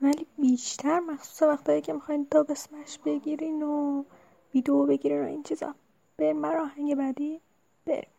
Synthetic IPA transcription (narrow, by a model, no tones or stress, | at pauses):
væliːbiːʃt̪ʰæɾmæxsu̥ːsevæxt̪ʰɒːjiːcʰe̞mixɒjnd̪ɒːbe̞smæʃb̥e̞ɡʲiɾiːno | viːd̪eobe̞ɡiɾino̞̰int͡ʃʰiːz̥ɒ̰ | b̥eɾimbæɾɒːɦæŋɟe̞bæd̪iː | b̥ḛɾḭm